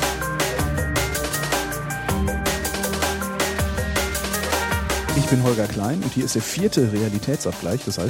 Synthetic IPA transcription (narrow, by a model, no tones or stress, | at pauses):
ʔɪçb̥ɪnɦɔlɡɐkʰl̥aɪnʊ̰nthiːɐɪstd̥eːɐfiːɐtʰəʁealitʰɛːt͡sʔap̚ɡ̥laɪçd̥asha̰ɪs